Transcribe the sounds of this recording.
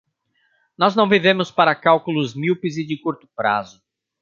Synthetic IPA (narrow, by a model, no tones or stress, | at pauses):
nɔznɐ̃w̃vivẽmʊspaɾɐkawkulʊzmiwpɪzɪd͡ʒɪkuɾt̪ʊ̥pɾa̰zʊ